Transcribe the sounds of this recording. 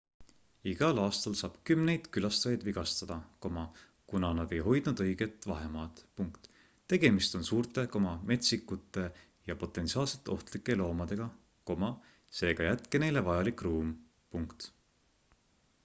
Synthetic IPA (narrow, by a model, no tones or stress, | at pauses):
iɡ̥ɑlɑːst̪ɑlsɑːb̥kymne̞jd̪̥kylɑst̪ɑjɑjd̪viɡ̥ɑst̪ɑd̪̥ɑko̞mɑ | kunɑnɑd̪̥e̞jɦo̞jd̪̥nud̪ɤjɡ̥e̞t̪ːˑvɑ̰ɦe̞mɑːd̪̥puŋkt̪ | t̪ːe̞ɡ̥e̞mist̪o̞nsuːɾt̪ˑe̞ko̞mɑme̞t̪sikːut̪ːˑe̞ | jɑpo̞t̪ːˑe̞nsiɑːlse̞t̪ːˑeo̞ht̪likːˑe̞lo̞ːmɑd̪̥e̞ɡ̥ɑ | ko̞mɑ | se̞ːɡ̥ɑjæt̪kene̞jle̞vɑjɑlikruːm | puŋkt̪